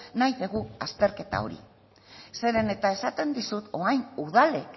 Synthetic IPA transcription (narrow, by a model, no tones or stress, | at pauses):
najðeɣuast̪e̞ɾke̞t̪a̰o̞̰ɾḭ | se̞ɾe̞ne̞t̪ae̞sat̪e̞nd̪isut̪o̞ajnuðale̞k